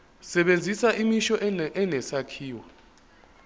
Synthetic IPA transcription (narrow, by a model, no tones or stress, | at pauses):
sɛɓend͡zʱisaʔimiʃɔʔʔɛnɛsakʰiːwa